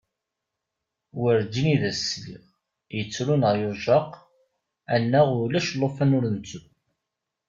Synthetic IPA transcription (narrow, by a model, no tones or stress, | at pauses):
wəɾd͡ʒiniðæsːlḭʁ | jət͡sːɾunəʁjoʒɑq | ænːæʁʊlæʃlˤːofænʊɾənt͡sːu